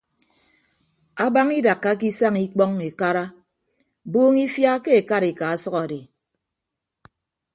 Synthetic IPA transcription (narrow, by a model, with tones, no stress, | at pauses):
a˦ba˦ŋi˦da˨kːa˦ki˦sa˦ŋi˦k͡pɔ˦ŋe˨ka˦ɾa˦ | boː˦ŋi˦fja˦ke˦e˨ka˦ɾe˨ka˨a˦sʌ˦ka˨de˨